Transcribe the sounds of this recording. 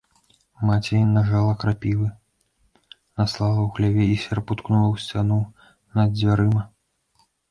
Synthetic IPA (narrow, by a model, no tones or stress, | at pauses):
mat͡sʲɛjnaʐalˠɐkɾapʲivɨ | nɐslˠalˠɐwxlʲavʲɛisʲɛrput̪knulˠɐwsʲt͡sʲanu | nɐd̪d͡zʲvʲaɾɨmɐ